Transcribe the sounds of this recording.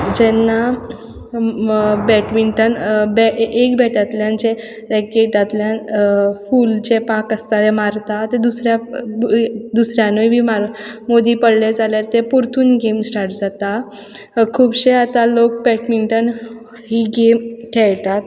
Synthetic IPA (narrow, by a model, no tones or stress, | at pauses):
d͡ʑɛnːa | bɛʈmiɳʈənbɛekbɛʈat̪ljãnt͡ɕe | ɾɛkeʈat̪ljã | fuːlt͡ɕepakəst̪aʋemaɾt̪at̪ed̪usɾja | d̪usɾjãnoibʱimaɾmod̪iːpəɽled͡zaljaɾt̪epuɾt̪ʰuːnɡemsʈaɾʈd͡zat̪a | kʰuːbɕeat̪alok̚bɛʈmiɳʈən | ɦiːɡemʈʰɛɭt̪at̪